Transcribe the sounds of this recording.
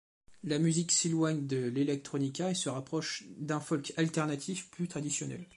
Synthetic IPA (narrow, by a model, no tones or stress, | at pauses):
lamyzikselwaɲd̪əlelɛk̚t̪χɔnikʲaesəʁapχɔʃd̪ɛ̃fɔlkalt̪ɛʁnat̪ʰifplyt̪χad̪isjɔnɛ̰l